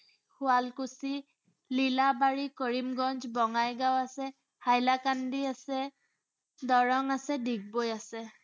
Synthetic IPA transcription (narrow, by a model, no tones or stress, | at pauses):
kʰʊalkusi | lilabaɹikɔɹimɡɔnzbɔŋajɡawasɛ | hajlakandiasɛ | dɔɹɔŋasɛdiɡ̚bojasɛ